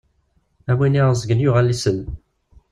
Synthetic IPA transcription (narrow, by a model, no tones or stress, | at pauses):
æminiʁzəɡənjʊʁælːisən